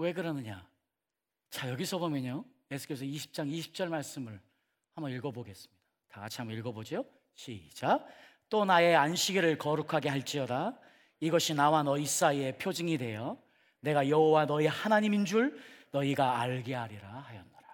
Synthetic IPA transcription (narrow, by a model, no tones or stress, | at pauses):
we̞ɡɯɾʌnɯɲa | t͡ɕajʌɡisʰʌbomjʌɲoje̞sʰu̥k͈e̞sʰʌiɕʰi̥p̚t͡ɕ͈aŋiɕʰi̥p̚t͡ɕ͈ʌɭmaɭs͈ɯmɯɭ | hambʌniɭɡʌboɡe̞s͈ɯ̥mɲid̥ataɡat͡ɕʰiɦambʌniɭɡʌbod͡ʑio | ɕʰid͡ʑa | t͈onae̞anɕʰiɡiɾɯɭkʌɾukʰaɡe̞ɦaɭt͡ɕ͈iʌda | iɡʌɕʰinawanʌis͈aie̞pʰjod͡ʑiŋidwe̞jʌ | ne̞ɡajʌɦowanʌihanaɲimind͡ʑuɭnʌiɡaːɭɡeɦaɾiɾahajʌnːaɾa